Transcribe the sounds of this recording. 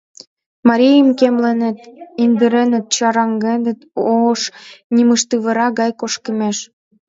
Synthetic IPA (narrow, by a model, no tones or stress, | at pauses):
mɑɾʲijəmkemlenet̪ind̪əɾenə̆t̪̚t͡ɕɑɾɑŋɡenət̪oʃniməʃt̪ɨβə̆ɾɑɣɑjkoʃkəmeʃ